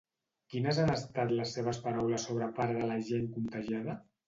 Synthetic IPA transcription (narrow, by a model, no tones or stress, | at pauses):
kinəzanəst̪at̪ləsːeβ̞əspaɾawləsːoβ̞ɾəpaɾðələʒeŋkunt̪aʒaðə